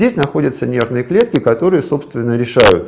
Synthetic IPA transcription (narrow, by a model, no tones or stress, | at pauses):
dʲesʲnɐxo̞dʲət̪sənʲe̞rvnɨjəklʲe̞t̪kʲɪkɐt̪o̞ɾɨjəso̞pst̪vʲɪnːəɾʲɪʂajʊt̪